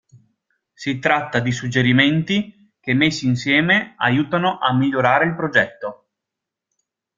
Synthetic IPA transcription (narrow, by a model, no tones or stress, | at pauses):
sit̪ɾat̪ːad̪isud͡ʒːeɾiment̪i | kemːesːiːnsjɛːmeajuːt̪anoʔamːiʎːoɾaːɾeilpɾod͡ʒɛt̪ːo